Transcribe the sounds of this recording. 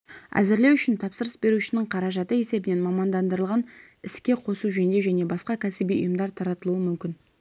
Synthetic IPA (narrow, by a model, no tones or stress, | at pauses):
æ̰zɪɾle̞wʏʃɪnt̪ʰɑpsəɾəsbe̞ɾuʃɪnɪɴqʰɑɾɑʒɑt̪əe̞se̞bɪne̞nmɑmɑnd̪ɑnd̪əɾəlˠʁɑn | ɪskʲe̞qʰo̞suʒend̪e̞wʒæne̞bɑsqɑkʲʰæsɪbijʊ̰jəmd̪ɑɾt̪ʰɑɾɑt̪əlˠuəmʏmkʲɪn